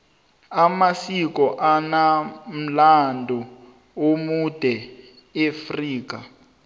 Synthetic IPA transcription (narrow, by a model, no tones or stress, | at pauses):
amasikɔʔanam̩landʱɔ | omud̥ʱɛ | efriːk̬a